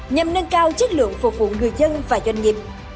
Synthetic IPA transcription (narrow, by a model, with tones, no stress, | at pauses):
ɲa˨˩mnə˧nkaː˧wt͡ɕə˦˥k̚lɨ̰˧˨əŋfʊ˨˩k͡p̚vṵ˧˨˥ŋɨ˨˩əjzə˧nvaː˨˩zwa˧jŋɲi˨˩p̚